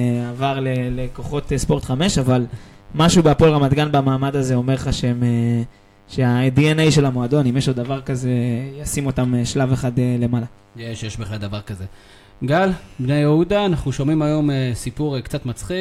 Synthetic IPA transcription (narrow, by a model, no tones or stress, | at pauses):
avaʁleleko̞χo̞t̪espo̞ʁt̪χame̞ʃaval | maʃubeapolʁamad̪ɡanbamaːmad̪azeo̞me̞ʁχaʃeme | ʃe̞aedienejʃe̞lamoad̪o̞nimjeʃlod̪avaʁkaze̞jasimo̞t̪ameʃlave̞χad̪ele̞mala | jeʃejeʃbeχlald̪avaʁkaze̞ | ɡalbnejeud̪aːnaχnuʃomimajo̞mesipuʁkt͡sat̪mat͡sχi